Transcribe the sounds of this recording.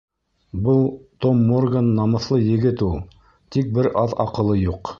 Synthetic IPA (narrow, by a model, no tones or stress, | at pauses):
bɤlˠt̪omːorɡanːɑmɤ̆θlˠɤjɘ̆ɡɘt̪ulˠ | t̪ik̚bɘɾʔɑðɑ̰qɤ̆lˠɤjuq